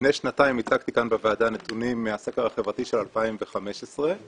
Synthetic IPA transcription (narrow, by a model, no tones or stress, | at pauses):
nejʃnataimit͡sakt̪ikanbevaːd̪anet̪unimːeasekeʁaχevʁat̪iʃelalpaimveχameʃesʁe